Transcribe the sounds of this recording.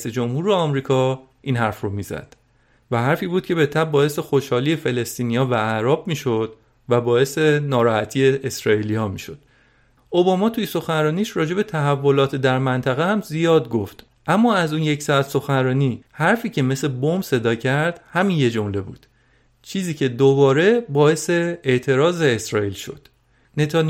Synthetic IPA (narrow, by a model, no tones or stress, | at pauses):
sed͡ʒomhuːɾeɒːmɾiːkʰɒː | ʔiːnɦæɾfromiːzæ̰d̪̥ | væɦæɾfiːbuːd̪̥̚cʰe̞be̞t̪ʰæbbɒːe̞sexoʃhɒːlijefe̞le̞st̪iːnijɒːvææɾɒːbmiːʃo̞d̪̥ | væbɒːe̞senɒːɾɒːhæt̪ʰiːeʔesɾɒːilijɒːmiːʃo̞d̪̥̚ | ʔobɒːmɒːt̪ʰujeso̞xænɾɒːniːʃɾɒːd͡ʒe̞be̞t̪ʰæɦævːo̞lɒːt̪ʰd̪æɾmænt̪ʰæɣehæmzijɒːd̪̚ɡoft̪ | ʔæmːɒːæzuːnje̞csɒæt̪so̞xænɾɒːniːhæɾfiːcʰe̞me̞sebombse̞d̪ɒːcʰæɾd̪̥hæmiːnje̞d͡ʒomle̞buːd̪̥ | t͡ʃʰiːziːcʰe̞d̪obɒːɾe̞bɒːe̞se̞eʔt̪ʰe̞ɾɒːze̞ːsɾɒːiːlʃo̞̰d̪̥ | net̪ʰɑn